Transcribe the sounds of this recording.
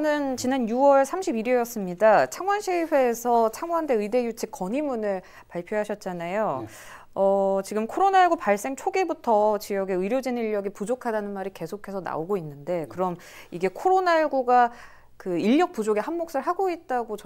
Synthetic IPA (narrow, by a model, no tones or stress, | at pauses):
nɯnt͡ɕinanjuwʌɭsʰamɕʰibiɾejʌs͈ɯmɲidat͡ɕʰaŋwanɕʰiɭɸwe̞ːsʰʌt͡ɕʰaŋwande̞ɯide̞jut͡ɕʰik͈ːʌɲimunɯɭ | paɭpʰjoɦaɕʰʌt̚t͡ɕ͈anajo | ʌt͡ɕiɡɯmkʰoɾonaɭɡopaɭs͈e̞ŋt͡ɕʰoɡebutʰʌt͡ɕijʌɡe̞ɯɾjod͡ʑiniʎːʌɡipud͡ʑokʰadanɯnmaɾike̞sʰokʰe̞sʰʌna̰oɡoinːɯnde̞kɯɾʌm | iɡe̞kʰoɾonaiɭɡoɡa | kɯiʎːʌk̚p͈ud͡ʑoɡehanmok̚s͈ɯɭɦaɡoit̚t͈aɡot͡ɕʌ